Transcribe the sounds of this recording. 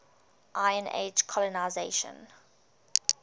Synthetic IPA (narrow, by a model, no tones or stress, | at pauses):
ʔaɪə̃nḛd͡ʒkʰɔlɔnaɪzeʃə̰̃n